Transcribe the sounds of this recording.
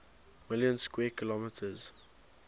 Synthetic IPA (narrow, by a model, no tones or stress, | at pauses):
mɪljə̃nskwɛːkʰɪlɔmɪtʰəz̥